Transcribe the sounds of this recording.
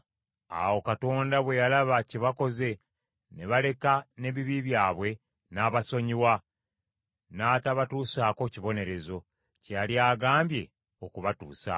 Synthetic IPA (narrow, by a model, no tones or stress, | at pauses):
a̰wo̞kato̞ːndaβwe̞jalaβaciβako̞ze̞ | neβale̞kane̞βiβiβjaːβwe̞ | naːβaso̞ɲiwa | naːtaβatuːsaːko̞ciβo̞ne̞ɾe̞zo̞ | caljaːɡaːmbje̞̰ | o̞kuβatuːsa̰